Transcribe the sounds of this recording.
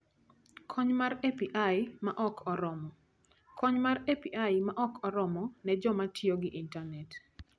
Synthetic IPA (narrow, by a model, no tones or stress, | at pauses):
kʰɔɲmarepiʔajmaʔɔkʰɔɾɔmɔ | kʰɔɲmarepiʔajmaʔɔkʰɔɾɔmɔnɛd͡ʒɔmatjoɡɪʔintanɛt